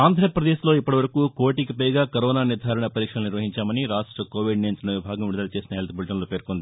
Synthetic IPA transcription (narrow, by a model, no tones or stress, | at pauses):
aːnd̪ʱɾɐpɾɐd̪eːslo̞ːipːɐʈiʋɐɾɐkukoːʈikipɐjɡaːkɐɾɔːnaːniɾd̪ʱaːɾɐɳɐpɐɾiːkʂɐlɐniɾʋɐɦiɲt͡ʃaːmɐniɾaːʂʈɾɐkoːʋiɖnɐjnsnɐʋibʱaːɡɐmʋiɽd̪ɐlɐt͡ʃeːsinɐɦelt̪ɐbulʈɐnloːpe̞ːɾkond̪i